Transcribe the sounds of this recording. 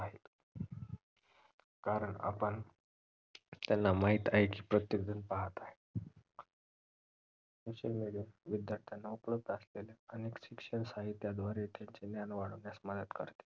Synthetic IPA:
aɦil | kaɾəɳa̰pəɳ | t̪janːamaɦit̪aɦekiːpɾət̪jəɡ̚d̪ənpaɦət̪aɦe | soɕəlmeɽijaʋid̪jaɾt̪ʰjanːaupləb̚d̪əsleleəneksikʂənsaɦit̪ːjad̪ʋaɾet̪jaɲt͡ɕenjanʋaɽəʋnjasməd̪ət̪kə̰ɾt̪e̥

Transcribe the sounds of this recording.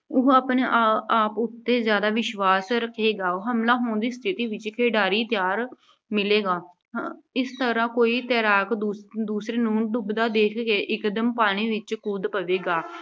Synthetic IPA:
ʊɦəːpneːʔaaːpʊt̪ːeːzjaːd̪aːʋɪʃʋaːsɾəkʰːeːɡaːoɦəmlaːɦoːɳd̪iːst̪ʰɪt̪iːʋɪt͡ʃkʰeːɖaːɾiːt̪jaːɾ | mɪleːɡaː | ɪst̪əɾãːkoːiːt̪ɛːɾaːkd̪ːd̪uːsɾeːnũːɖʊbd̪aːd̪eːkʰkeːʔɪkd̪əmpaːɽ̃iːʋɪt͡ʃkuːd̪pəʋeːɡaː

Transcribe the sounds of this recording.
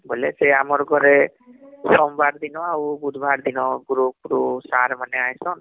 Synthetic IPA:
boleseamɔɾɡʱɔɾe | sɔmbaɾd̪inɔabud̪ʱbʱaɾd̪inɔɡuɾuk̚ɾusaɾmaneajsɔn

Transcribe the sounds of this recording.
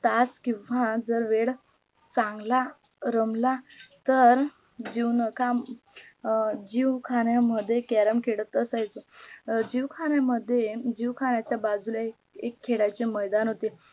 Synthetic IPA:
t̪askĩʋad͡zəɾʋeɽ | t͡sãŋɡla | ɾəmlat̪əɾ | d͡ʑiʋnəka | d͡ʑiʋkʰaɳjaməd̪ʱːjekɛɾəmkʰeɽət̪əsajt͡sod͡ʑiʋkʰaɽjaməd̪ʱːjed͡ʑiʋkʰaɽjat͡ɕjabad͡zula | ekʰːeɽajt͡ɕeməjd̪anɦot̪e

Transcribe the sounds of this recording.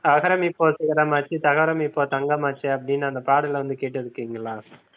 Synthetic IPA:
ɐkʰɐɾɐmipːosikɐɾɐmɐt͡ʃːit̪ɐkʰɐɾɐmipːoːt̪ɐŋɡɐmɐt͡ʃːeɐb̚ninɐnd̪ɐpaːɽɐlɐund̪ikeʈːɐd̪ukiŋɡlaːs

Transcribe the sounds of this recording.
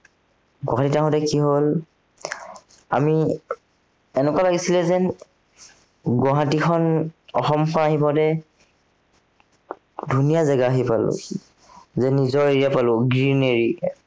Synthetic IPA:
ɡɔ̃ɦatitaɦɔ̃tɛkiɦol | a̰mi | ɛnɛkalaɡisilɛzɛ | ɡɔɦatikʰɔnɔxɔmkʰɔnaɦipɔdɛ | dʱunijazaɡaːɦipalʊ̰̃ | zɛnizɔɹeɹijapalʊɡɹineɹi

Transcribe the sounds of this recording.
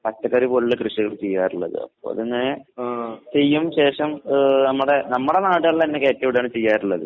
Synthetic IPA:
pɐtːɐkːɐːɾipoɭːɐkrɨʂiɣɐɭt͡ɕe̞jːaːɾuɭːɐ̰ðɨ̰ɐ̰pːoːɐ̰ðinːe | t͡ɕe̞jːumɕe̞ːʂɐmnɐmːuɽe̞nɐmːuɽe̞naːʈːɐɭːɐenːekeːtːɐʋiɽjaːɳɨt͡ɕe̞jːaːɾuɭːɐðɨ̰

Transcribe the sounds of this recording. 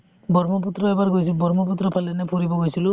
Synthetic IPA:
bɔɹmɔput̪ɾɔɛbaɹɡojsʰibɔɹmɔp̬ut̪ɾɔpʰalɛnɛpʰuɾibɔɡojsilʊ

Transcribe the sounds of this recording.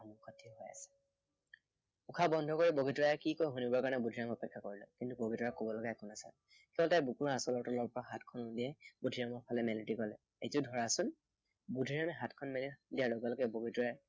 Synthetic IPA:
amʊxɔtʰiɦɔja̰sɛ̥ | ukʰabɔndʱɔkoɹiboɡitɔɹakikojɦunibɔɹkanɛbudʱiɹaŋɔpɛkʰːakoɹilɔkintuboɡʱitɔɹakɔbɔlɔɡaɛkʰɔnasɛ̰ | kɛbɔltajbukuɹaasɔlɔɹtɔlɔɹpɔɹaɦatkʰɔnɔdiɛbudʱiɹamɔɹpʰalɛmɛlɔdikɔlɛ | ḛjtʊdʱɔɹasʊn | budʱiɹamɛɦatkʰɔnmɛlidijalɔɡɛlɔkɛboɡitɔɹa

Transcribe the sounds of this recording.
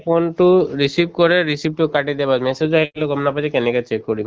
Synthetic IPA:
pʰonʈuɾisip̚kɔɾeɾisip̚ʈukaʈid̪ɛbasmɛsed͡ʒaɦloɡʱɔmnapad͡ʒikɛnɛkɛt͡ʃekːɔɾim

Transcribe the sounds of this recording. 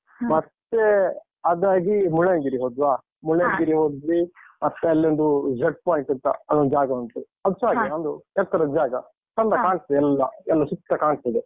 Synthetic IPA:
mɐt̪ːe | ɐd̪aːɡimuɭeŋɡiɾiɦoːd̪ʋaː | muɭeːŋɡiɾiɦoːd̪ɾimɐt̪ːeɐlːiond̪ud͡ʒeʈ̚paːjɳʈɐnt̪ɐ̰ɐd̪ond͡ʒaːɡɐɐnt̪u | ɐd̪ut͡ʃaːɡɐond̪uɛt̪ʰːɐɾɐd͡ʒaːɡɐ | sɐnd̪ɐkaːɳst̪ɐd̪ɛɛlːɐɛlːɐsukt̪ːɐkaːɳst̪ɐd̪e

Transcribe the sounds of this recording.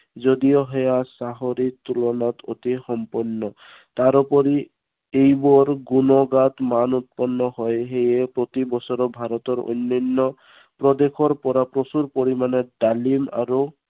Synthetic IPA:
zod̪ijɔɦejasaɦoɾit̪ulɔnat̪ot̪ixɔmpɔnːɔ | t̪aɾupɔɾi | ejbɔɾɡunɔɡat̪manut̪̚pɔnːɔɦɔjɦejepɾɔt̪ibɔsɔɾɔbʱaɾɔt̪ɔɾo̰jnːɔnːɔ | pɾɔd̪ekʰɔɾpɔɾapɾɔsuɾpoɾimaned̪alima̰ɾu

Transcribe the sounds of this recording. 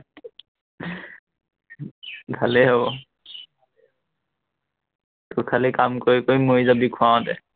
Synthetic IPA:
bʱalɛɦobɔ | tʊkʰalikamkoɹikojmojzabikʰʊãw̃tɛ

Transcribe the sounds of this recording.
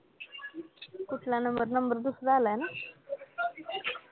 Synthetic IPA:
kuʈ̪ʰlanəmbəɾnəmbəɾd̪usɾalaena

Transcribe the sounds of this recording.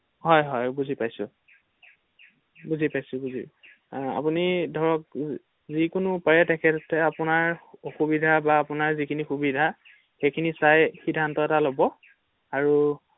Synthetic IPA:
ɦɔjɦɔjbuzʱipajsʊ̰̃ | buzʱipajsʊ̃buzḭ | a̰punidʱɔɹɔk̚ | zikʊnʊpaɹɛtɛkʰɛttɛapʊnaɹoxubidʱabaːpʊnaɹzikʰinixubidʱa | xejkʰinisajxidʱːantɔɛtalobɔ | aɹu

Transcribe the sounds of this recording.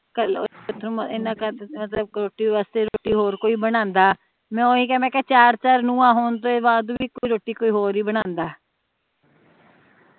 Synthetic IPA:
kəlʊt̪ʰnũːɪnãːkəmət̪ləb̚ɾoːʈiːʋaːst̪eːɾoːʈiːɦoːɾkoːiːbənãːnd̪aː | mɛ̃ːoːĩːkɛːɛ̃ːkɛːt͡ʃaːɾt͡ʃaːɾnũːãːɦoːnt̪oːʋaːd̪uːbiːkoːiːɾoːʈiːkoːiːɦoːɾiːbəɽãːnd̪aː

